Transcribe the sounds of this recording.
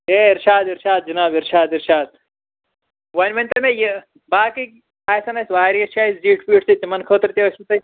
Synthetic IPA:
eːiɾʃaːd̪iɾʃaːd̪̚d͡ʒɐnaːbiɾʃaːd̪iɾʃaːd̪̚ | wɐnʲmɐnʲt̪ɐmeje | baːki | aːjsɐnɐsʋaːɾijɐt͡ʃʰaːisd͡ʒiːʈʰpiːʈʰt̪it̪ʲimɐnkʰoːt̪ɾt̪eɐsit̪ɐj

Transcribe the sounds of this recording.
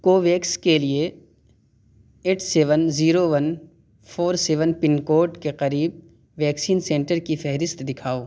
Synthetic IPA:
koːʋeːkskelie | eːʈseːʋənziːɾoʋən | fʰoːɾseːʋənpɪnkoːʈkeqɐɾiːb̚ | ʋɛːksiːnsẽːɳʈəɾkifɛɦɾɪst̪d̪ɪkʰaːoː

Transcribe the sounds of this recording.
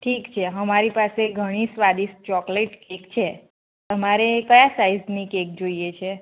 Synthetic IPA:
ʈʰikt͡ʃʰeɦəmaɾipaseɡʱəɽ̃isʋad̪ist͡ʃɔkleʈkekt͡ʃʰe | t̪əmaɾekəjasaiznikek̚d͡ʒoijet͡ʃʰe

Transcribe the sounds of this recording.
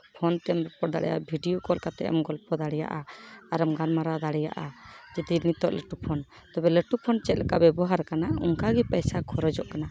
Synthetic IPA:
pʰɔnt̪ɛɛmɾɔpɔɽd̪a̰ɽʔɛ̰ja̰bʱiɖijɔkɔlkat̪ɛ̰ʔɛ̰mɡɔlpɔd̪aɽɛja̰ʔaaɾamɡanmaɾad̪aɽɛja̰ʔad͡ʒɛd̪init̪ɔʔləʈupʰɔn | t̪ɔbɛləʈupʰɔnt͡ʃɛt̪̚lɛkaʔbɛbɔɦaɾkanauŋkaɡɛpɛjsakʰɔɾɔd͡ʒɔʔkana

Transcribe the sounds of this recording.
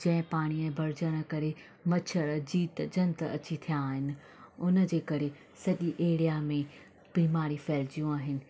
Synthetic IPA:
d͡ʑɐ̃ɦɪ̃paːɽ̃iɛ̃ːbʱɐɾd͡ʑəɽ̃ə̆kɐɾe | mɐt͡ɕʰəɾd͡ʑiːt̪d͡ʑɐnt̪ɐ̰t͡ɕit̪ʰijaːɦɪnɪ̆ | ʊnə̆d͡ʑeːkɐɾe | sɐʄiʔeːɽijamẽ | b̥iːmaːɾifɛːld͡ʑijũaːɦɪnɪ̆

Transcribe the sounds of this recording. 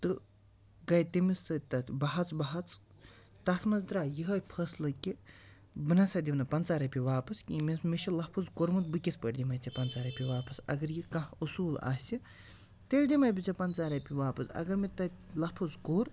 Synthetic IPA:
t̪ɨ | ɡɐjt̪emisɨt̪ɐbɐɦɐt͡sbɐɦɐt͡s | t̪ɐt̪mɐzd̪ɾaːjiɦɐpʰɐslɐkʲi | bɨnɐsɐd̪ʲibnɐpɐnt͡saːɾɐpʲiʋaːpɐskʲimʲesmeʃʰilɐpʰɨzkoɾmɨt̪̚bɨkʲespəɖʲd̪ʲimɐjt͡sʲɐpɐnt͡saːɾɐpʲiʋaːpɐsɐ̰ɡɐɾjikɐ̃ɦusuːla̰ːsʲi | t̪elʲd̪ʲimɐjbʲit͡sʲɐpɐnt͡saːɾɐpʲiʋaːpɐsɐ̰ɡɐɾmet̪ɐt̪ʲlɐpʰuzkoːɾ

